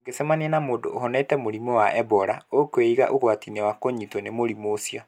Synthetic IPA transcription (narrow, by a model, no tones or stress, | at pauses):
ŋɡesemaneɛnamoːdooɦɔnɛtɛmoɾimɔwaʔɛbɔɾaokoeiɣa̰ʔohwatinewakoɲitɔnemoɾimoːsiɔ